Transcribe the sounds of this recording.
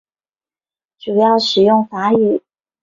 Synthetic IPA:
ʈ͡ʂu˨˩jɑ˥˩ʊʂɻ̩˨˩jʊ˥˩ŋfa˧˥y˨˩˦

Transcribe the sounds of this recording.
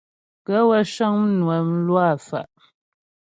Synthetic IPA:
kɛ˨˦wɛ˦ʃɔ˦ŋm̩˦nwɛ˨m̩˦lwa˦˨fa̰˨ʔ

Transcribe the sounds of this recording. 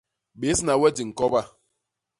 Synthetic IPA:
be˨˦si˦na˨we˦di˨ŋ̩˨kɔ˦ba˦

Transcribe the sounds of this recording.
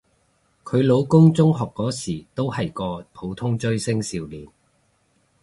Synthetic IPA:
kʰɵ˨˧ɥlo˨˧wkʊ˥ŋt͡sʊ˥ŋɦɔː˨kːɔː˨˥siː˨˩t̪o˥whɐ˨jkɔː˧pʰo˨˧˥wt̪ʰʊ˥ŋt͡ʃɵ˥ɥsɪ˥ŋsiː˨˧wliː˨˩n

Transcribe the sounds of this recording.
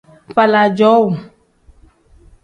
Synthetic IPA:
ɸa˨la˨d͡ʒɔ˨˦wu˨

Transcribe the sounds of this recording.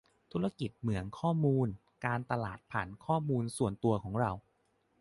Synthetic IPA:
t̪ʰu˦˥ɾa˧ki˨˩t̪̚mɯ˩˦əŋkʰɔː˥˩muː˧n | kaː˧nt̪a˧laː˨˩t̪̚pʰa˨˩nkʰɔː˥˩muː˧nsu˨˩ənt̪u˧ɐkʰɔː˩˦ŋɾa˧w

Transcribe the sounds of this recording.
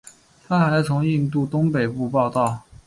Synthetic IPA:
t̪ʰa˥xa˧˥ɪt͡sʰʊ˧˥ŋi˥˧nt̪̬u˥˩t̪ʊ˥ŋpe˨˩ɪpu˥˧pɑ˥˧ʊt̪ɑ˥˩ʊ

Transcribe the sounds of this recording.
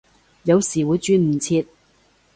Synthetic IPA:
jɐ˨˧wsiː˨˩wuː˨˧jt͡ʃyː˧nm̩˨˩t͡sʰiː˧t̚

